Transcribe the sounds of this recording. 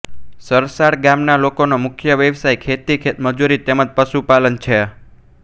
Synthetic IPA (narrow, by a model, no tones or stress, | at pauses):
səɾsaɽɡamnalokonomʊkʰjəʋjəʋsajkʰet̪ikʰet̪məd͡ʒuɾit̪eməd͡ʒpəʃupalənt͡ʃʰe